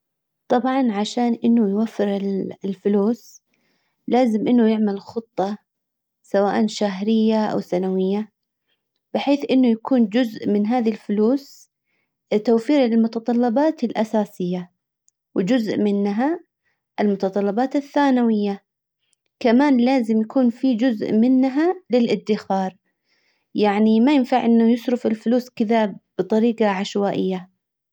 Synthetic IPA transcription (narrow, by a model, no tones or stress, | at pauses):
t̪ˤɑbʕɑnʕaʃaːnʔɪnːʊjwafːɪɾɪllfʊluːs | laːzɪmʔɪnːʊjɪʕmɪlxɨt̪ˤːɑ | sawaːʔanʃaɦɾɪjːaʔa̰wθanawɪjːa | b̥ɪħeːθʔɪnːʊjakuːnd͡ʒʊzʔmɪnɦaːðilfʊluːs | t̪awfiːɾɪlmʊt̪ɑt̪ˤɑlːɑbɑːt̪ɪlʔasaːsɪjːa | wɪd͡ʒʊzʔmɪnːɦa | ʔɪlmʊt̪ɑt̪ˤɑlːɑbɑːt̪ɪθːaːnawɪjːa | kamaːnlaːzɪmjakuːnfid͡ʒʊzʔmɪnːɦalɪlʔɪd̪ːɪxɑːɾˤ | jaʕnimajɪnfaʕʔɪnːʊjɪsɾʊfɪlfʊluːskɪðab̥ɨt̪ˤɑɾiːqɑʕaʃwaːʔɪjːa